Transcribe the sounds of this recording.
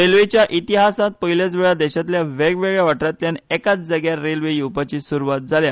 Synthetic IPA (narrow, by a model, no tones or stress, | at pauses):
ɾelʋet͡ɕjaʔit̪iɦasat̪̚pəɦiljat͡s̬ʋeɭad̪eɕat̪ljaʋeɡʋeɡɭjaʋaʈɾat̪ːjanɛkat͡sd͡zəɡjaɾelʋejupat͡ɕiːsuɾuʋat̪̚d͡zʱalja